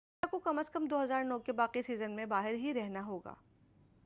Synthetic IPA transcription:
akokɐməskəmd̪oːɦɐzaːɾnɔːkebaːqisiːzənmẽbaːɦɪɾɦiɾɛɦnaɦoːɡa̰ː

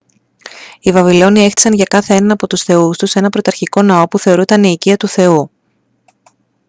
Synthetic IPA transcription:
ivɐvilo̞nie̞xt̪i̥sɐnʝɐkɐθeenɐnɐpo̞t̪usθe̞ust̪use̞nɐpɾo̞t̪ɐɾçiko̞nɐo̞puθe̞o̞ɾut̪ɐniːciɐt̪uθe̞u

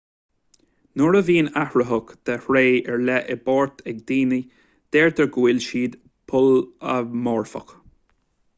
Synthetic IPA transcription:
nʊɹəviːnahɹəɦʊkd̪̥ɛhɹeːɛɹlɛʔɪbɔːɹt̪ʰɛɡ̚d̪iːni | d̪̥eːɹd̪əɹɡuɪlʃiːd̪ | pʰʊləmɔːɹfə̰k

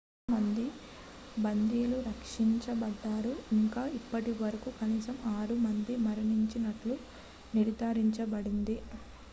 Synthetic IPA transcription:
mɐnd̪i | bɐnd̪iːluɾɐkʂiɲt͡ʃɐbɐɖːaːɾuiŋkaːipːɐʈiʋɐɾɐkukɐniːsɐmaːɾumɐnd̪imɐɾɐniɲt͡ʃinɐʈlu | niɾd̪aːɾiɲt͡ʃɐbɐɽind̪i

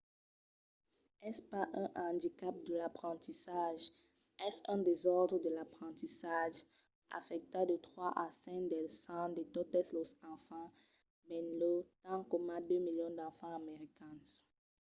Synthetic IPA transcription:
ɛspaʔɛ̃ʔɑ̃d̪ikap̚d̪əlapχɑ̃t̪isaʒ | ɛsɛ̃d̪ezɔʁd̪ʁəd̪əlapχɑ̃t̪isaʒ | a̰fɛk̚t̪ad̪ət̪χwaʔasɛ̃d̪ɛlsɑ̃d̪et̪ot̪ɛslosɑ̃fɑ̃ | bɛ̃nlot̪ɑ̃kɔmãd̪ømiljɔ̃d̪ɑ̃fɑ̃ameʁikɛ̃n

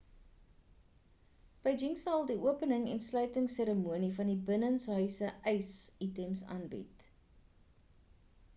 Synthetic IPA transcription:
b̥əjd͡ʒiŋsɐlˠdiʔuəpənəŋɛ̰nslœɥtəŋseɾəmuənifɐndibənənsɦœɥsəʔɛjsitɛmsɑ̰ːnbḭt

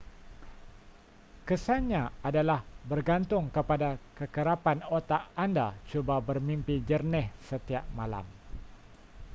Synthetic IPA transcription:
kəsanɲãadalahbərɡant̪ʊŋkəpadakəkəɾapanot̪aʔanda̰t͡ʃubabərmimpid͡ʒərnɪhsət̪iaʔ̚mala̰m

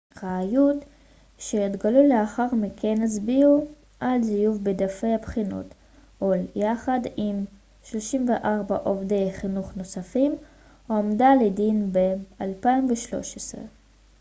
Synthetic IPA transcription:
ʁaːjut̪ | ʃeit̪ɡaluleaχaʁmikʰenes̬biu | ʔalzijuvbed̪afejabχino̰t̪ | oljaχad̪im | ʃlo̞ʃimveʔaʁbaʔovd̪e̞jχinuχno̞safim | omd̪aled̪inbealpaimveʃlo̞̰ʃesʁḛ

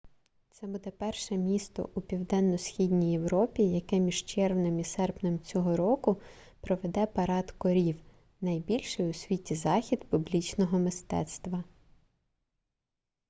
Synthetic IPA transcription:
t̪sɛbud̪ɛpɛrʃɛmʲist̪ɔ̰ʔupʲiwd̪ɛnːɔsxʲidʲnʲijewɾɔpʲijɐkɛmʲiʒt͡ʃɛrwnɪmisɛrpnʲemt͡sʲɔɦɔɾɔkʊ | pɾɔʋed̪ɛpɐɾɑt̪kɔɾʲiw | nɐjbʲilʲʃɪjʊsʲʋʲitʲizɑxʲid̪pʊblʲit͡ʃnɔɦɔmɪst̪ɛ̰t̪st̪ʋɐ

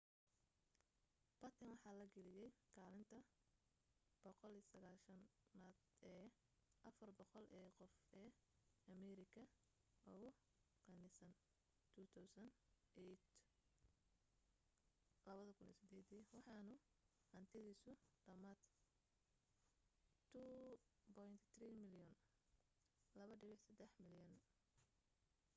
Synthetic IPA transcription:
b̥ɐt̪ʰɐnwɑħɑːlɐɡɛlɪjɛjkʰaːlɪnt̪ʰɐ | b̥ɔqɔlisɐɣaːʃɐnad̪ɛː | ʔɐfɐrbɔqɔlʔɛːqɔfɛːɐmɛɾɪkʰɐ | ɔ | qɑnɪsɐn | t̪ʰut̪ʰawsɐnʔet̪ | lɐβɐðɐkʰʊnʔɛ̰ːsɪd̪ɛːd̪iwɑħɑːnʊ | ʔɐnt̪ʰɪðiːsʊɖ̪̥ɐmat̪ | t̪ʰːubɔjnt̪ʰt̪riːmɪljɔn | lɐβɐɖɪβɪħsɐd̪ɛħmɪljɔn

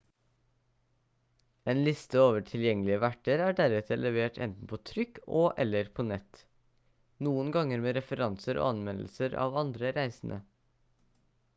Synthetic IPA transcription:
eːnlɪst̪əoːʋəʈʰɪljɛŋəlɪəʋæʈəɾæːɖæɾɛt̪ʰəlɛʋeːʈʰɛ̰nt̪n̩pʰoːt̪ʰɾʏkʰoːʔɛlːəɾpʰoːnɛt̪ | nuːənɡɑŋəɾmeːɾɛfəɾɑnsəɾo̰ːɑnʋɛnl̩səɾɑ̰ːʋɑnd̪ɾəɾæɪsn̩ʔə̰

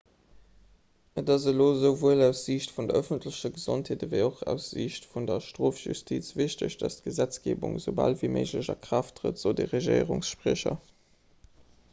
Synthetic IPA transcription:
ətɑzəloːzəʊvuəlæʊsz̥iɕtfundɐəfəntʰləɕɐɡəz̥ontheːdəveɪoχæ̰ʊsz̥iɕtfundɐʃtʁoːfʒy̰stʰit͡sv̥iɕtəɕd̥ɑst̚ɡ̥əzæt͡sɡ̥ḛːbṵŋzəʊbɑ̰lviːməɪʒləʑɐ̰kʁ̥ɑftʀə̰tz̥oʊdeʁeʒəɪʁuŋsʃpʁiɕɐ̰

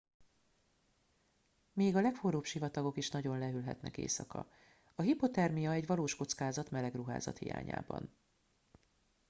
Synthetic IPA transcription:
meːɡɒlɛkforoːpʃivɒt̪ɒɡo̞kiʃnɒɟo̞nlɛɦylɦɛ̰t̪nɛ̰kḛːsɒkɒ̰ | ɒɦipo̞t̪ɛrmijɒɛɟʋɒloːʃko̞t̪skaːzɒt̪mɛlɛɡruɦa̰ːzɒ̰t̪hḭja̰ːɲa̰ːbɒ̰n

